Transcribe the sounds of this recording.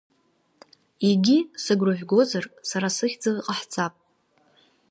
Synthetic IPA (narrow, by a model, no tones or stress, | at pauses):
iɡʲisɨɡrʊʒʷᶣɡo̞zarsaɾasɨχʲd͡zɨlqʼaħt͡sʰʼapʼ